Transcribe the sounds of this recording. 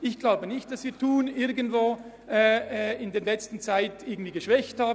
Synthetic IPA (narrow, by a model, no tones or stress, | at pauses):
ɪçɡ̥laʊbənɪçt̚d̥asviːɐtʰuːnɪɾɡən̩dvoː | ʔɛːɛːɪndeːɐnlɛt͡stn̩t͡saɪtɪɐɡŋ̩d̥v̥iːɡəʃvɛçthaːb